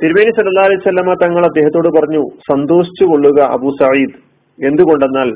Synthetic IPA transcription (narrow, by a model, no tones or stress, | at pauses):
t̪iɾmeːnisɐlːɐlːaːɐlɐjusɐlːɐmaːt̪ɐŋːɐɭɐd̪ːe̞ːɦɐt̪ːo̞ːɽupɐrɐɲːusɐnd̪o̞ːɕi̥t͡ɕːuko̞ɭːuɣɐʔɐ̰buːsɐʕiːd̪ | e̞nd̪uɣo̞ɳɖe̞nːaːl